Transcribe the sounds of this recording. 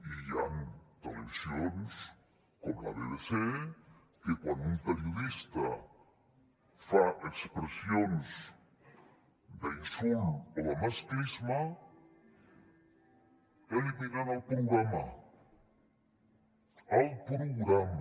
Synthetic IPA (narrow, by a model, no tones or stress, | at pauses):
iant̪aleβsjons | koma̰βelese | kekwand̪unt̪eɾjoðist̪a̰ | faʔekspɾesjons | d̪einsuloðamaskɾisma | eliβinanalpɾoɣɾama | alpɾoɣɾam